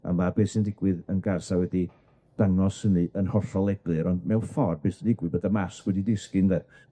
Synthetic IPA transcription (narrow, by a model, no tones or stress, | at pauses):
a̰mabeːsɪndɪɡwɪðənɡarsawɛdi | d̥aŋɔshənɨʔənhɔrɬɔlˠɛblˠɨɾɔndmɛwfɔrbeːsɪndɪɡwɪðbəðamaskwɛdidɪskɨnðɛ